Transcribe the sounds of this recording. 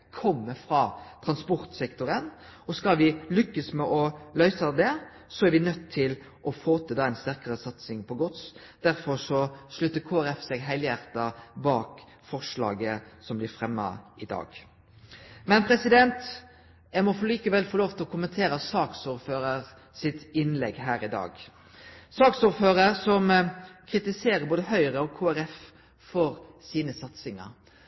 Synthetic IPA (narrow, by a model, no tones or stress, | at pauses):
kʰɔmːəfɾɑt̪ʰɾɑnspɔɾt̪sɛkt̪ʊɾənɔskɑlʋɪlʏkːəsmɛʔɔlœʏsəd̪ɛ | sɔæɾʋɪnœt̪ʰːɪl | ʔɔfoːt̪ʰəd̪ɑːæɪnst̪æʁkəɾəsɑt̪sɪŋpʰɔɡɔt̪s | d̪̥æɾfɔɾʂɔʂlœt̪ːəkʰoːæɾɛfsɛɡɦæɪljæɾt̪ɑbɑːk | fɔʁʂlɑ̰ːɡəsɔmblɪɾfɾɛmːɑ̰ɪd̪ɑ̰ːɡ | mɛnpʰɾɛsɪd̪ɛnt̪ | ɛmɔfɔliːkəʋɛlfɔloːʋt̪ʰɪlɔkʰʊmənt̪ʰeːɾəsɑːksuːɾføːɾəɾ | sɪt̪ɪnlɛɡɦæːɾɪd̪ɑ̰ːɡ | sɑːksuːɾføːɾəɾsɔmkʰɾɪt̪ɪseːɾəboːd̪əɦœʏɾəɔkʰoːæɾɛf | fɔɾsiːnəsɑt̪sɪŋɑ̰ɾ